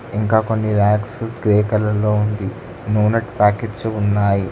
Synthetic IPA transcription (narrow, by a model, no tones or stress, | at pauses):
iŋkaːko̞nːilaːksɡɾeːkɐlɐlːo̞ːund̪i | nuːnɐʈpaːkeʈsuunːaːji